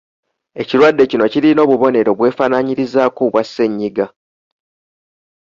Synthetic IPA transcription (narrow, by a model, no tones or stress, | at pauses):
e̞ciɾwadːe̞cino̞ciɾino̞ːβuβo̞ne̞ɾo̞βwe̞ːfaːnaɲiɾizaːkuβwasːe̞ɲːiɡa